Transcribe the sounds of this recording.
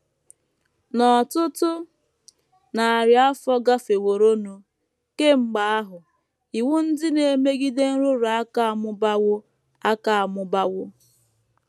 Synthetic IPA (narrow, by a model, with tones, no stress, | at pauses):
nɔ˨tʊ˦tʊ˦ | na˨a˨ɾja˦fɔ˦ɡa˦fe˨wo˨ɾo˦no˨ | ke˦ŋ͡m̩˦ɡ͡ba˨a˦ɦʊ˨ | i˨wʊ˦n̩˦dɪ˦ne˨e˨me˦ɡi˦de˦n̩˦ɾʊ˦ɾa˨a˦ka˨a˨mʊ˦ba˦wʊ˦ | a˦ka˨a˨mʊ˦ba˦wʊ˦